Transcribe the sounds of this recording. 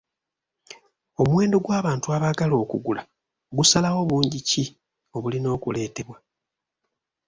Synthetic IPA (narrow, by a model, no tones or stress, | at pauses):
o̞muwe̞ːndo̞ɡwaːβaːntuaβaɡalo̞ːkuɡula | oɡusalawo̞βuːɲɟici | o̞βulino̞ːkule̞ːte̞βwa